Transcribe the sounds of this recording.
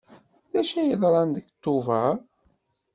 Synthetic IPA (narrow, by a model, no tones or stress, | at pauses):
ðæʃæjəðˤɾˤɑnd̪əɡt̪ːuvæ